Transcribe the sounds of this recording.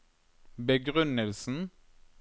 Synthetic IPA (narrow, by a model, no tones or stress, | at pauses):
bəɡʁʉnəlsn̩